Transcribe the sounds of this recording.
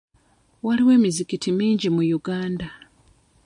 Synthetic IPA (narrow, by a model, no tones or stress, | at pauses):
waliwe̞ːmizikitimiːɲɟimujuɡaːnda